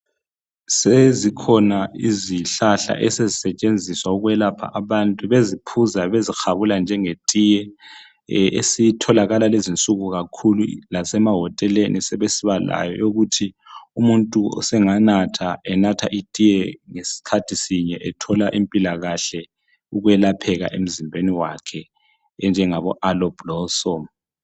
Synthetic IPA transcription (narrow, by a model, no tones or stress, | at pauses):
sezikʰɔnaiziɬaɬa̰ʔɛsezisɛt͡ʃʼend͡zʱiswauɣwɛlapʰa̰ʔaβantʼuβezipʰuzaβezixaβuland͡ʒʱɛŋetʼijɛ | ḛsitʰɔlaɣalalezint͡sʼuɣuɣakʰululasɛmaɦɔtʼɛlenisɛβesiβala̰jɔ̰joɣutʰi | umuntʼuɔ̰sɛŋanatʰaɛnatʰaʔitʼijɛŋesi̥kʰatʰisiɲɛʔɛtʰɔlaʔimpʼilaɣaɬɛ | uɣwɛlapʰɛɣa̰ʔḛm̩zimbʱeniwakʰɛ | ɛnd͡ʒʱɛŋaβɔʔalɔb̥lɔsɔm